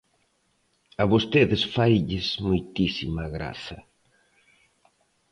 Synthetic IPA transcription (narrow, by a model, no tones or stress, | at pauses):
aβost̪eðɪsfajʎɪsmojt̪isimɐɣɾa̰θɐ